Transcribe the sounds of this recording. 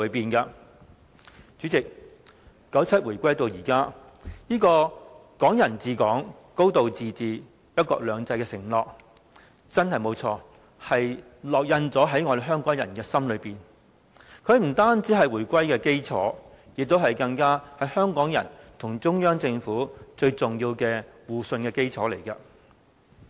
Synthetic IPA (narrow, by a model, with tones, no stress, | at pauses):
piː˨˩nkɐ˧ | t͡syː˨˥t͡sɪ˨k̚ | kːɐ˨˥wt͡sʰɐ˥t̚wuː˨˩jkʷɐ˥jt̪o˧wjiː˨˩kaː˥ | jiː˥kɔː˧kɔː˨˥ŋjɐ˨˩nt͡siː˧kɔː˨˥ŋ | ko˥wt̪o˨wt͡siː˨t͡siː˨ | jɐ˥t̚kɔ̰ː˧k̚lœː˨˧ŋt͡sɐ˧jkɛː˧sɪ˨˩ŋlɔː˨k̚ | t͡sɐ˥nhɐ˨jmo˨˧wt͡sʰɔː˧ | hɐ˨j | lɔː˨k̚jɐ˧nt͡sɔː˨˥ɦɐ˨˥jŋɔː˨˧d̪e˨˧ɦœː˥ŋkɔː˨˥ŋjɐ̰˨˩nkɛː˧sɐ˥mlɵ˨˧ɥpiː˨˩n | kʰɵ˨˧ɥm̩˨˩t̪aː˥nt͡si˨˥ɦɐ˨jwuː˨˩kʷɐ˥jkɛː˧ke˥jt͡sʰɔ̰ː˨˥ | jɪ˨k̚t̪o˥whɐ˨˩jkɐ˧ŋkaː˥hɐ˨˥jhœː˥ŋkɔː˨˥ŋjɐ̰˨˩nt̪ʰʊ˨˩ŋt͡sʊ˥ŋjœː˥ŋt͡sɪ˧ŋfuː˨˥t͡ʃɵ˧ɥt͡sʊ˨ŋjiː˧wkɛː˧wuː˨˩sɵ˧nkɛː˧ke˥jt͡sʰɔː˨˥le˨˩jkɐ˧